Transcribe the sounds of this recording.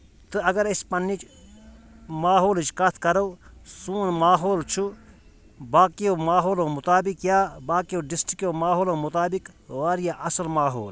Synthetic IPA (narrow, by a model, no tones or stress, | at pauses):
t̪ɨɐɡɐɾispɐnːit͡ʃ | maːɦoːlt͡ʃkɐt̪ʰkɐɾɐwsuːnmaːɦoːlt͡ʃʰu | baːkijoːmaːɦoːlõːmʊt̪aːbikjaːbaːkijoːɖisʈikjoːmaːɦoːlõːmʊt̪aːbikʋaːɾijaʔɐsɐlmaːɦoːl